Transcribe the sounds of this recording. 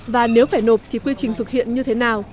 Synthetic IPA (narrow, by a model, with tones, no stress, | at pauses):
vaː˨˩ne˨˦wfaː˧˩jno˨˩p̚t̪ʰi˨˩kwi˧t͡ɕï˨˩ŋ̟t̪ʰɨ˨˩k̚hḭ˧˨ənɲɨ˧t̪ʰe˨˦naː˨˩w